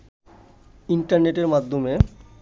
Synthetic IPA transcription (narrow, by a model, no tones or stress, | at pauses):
iɳʈaɾneʈeɾmad̪ʱːome